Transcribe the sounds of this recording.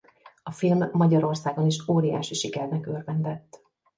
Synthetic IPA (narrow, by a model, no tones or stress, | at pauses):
ɒfilmːɒɟɒɾo̞rsaːɡo̞niʃoːɾija̰ːʃiʃikɛrnɛkørvɛnd̪ɛt̪ː